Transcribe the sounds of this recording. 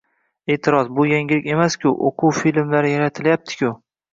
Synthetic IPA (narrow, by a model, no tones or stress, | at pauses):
e̞ːt̪ʰɪɾɒzbʊjaŋɪlɪkʲe̞maskʲʰʊʔo̰qʰʊwfilmlaɾɪjaɾat̪ʰɪljap̚t̪ʰɪ̥kʲʰʊ